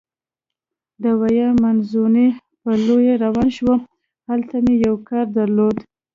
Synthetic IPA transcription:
d̪əwajamanzune | pəlojaɾawɑnʃwə | halt̪amejawkɑɾd̪aɾlod̪

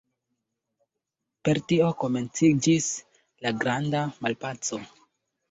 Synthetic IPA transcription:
pe̞ɾtio̞ko̞me̞nt͡sid͡ʒis | laɡɾandamalpat͡so̞

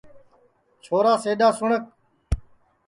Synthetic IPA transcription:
t͡ʃʰoːɾaːseːd̪aːsʊɳək̚

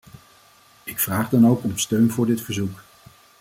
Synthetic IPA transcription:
ɪkfraːχdɑnowkɔmstøɥnvʊːɹdɪtfəɹzuk

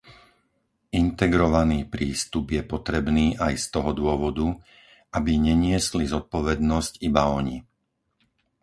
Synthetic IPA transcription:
int̪ɛɡɾɔʋaniːpɾiːst̪ubjɛpɔt̪ɾɛbniːʔajst̪ɔɦɔd̪ʊɔʋɔd̪u | ʔabiɲɛɲɪɛslizɔt̪̚pɔʋɛd̪nɔscibaɔɲi

